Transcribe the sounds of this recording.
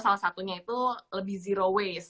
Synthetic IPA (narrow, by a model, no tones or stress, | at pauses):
salahsat̪uɲait̪uləbɪhziɾowes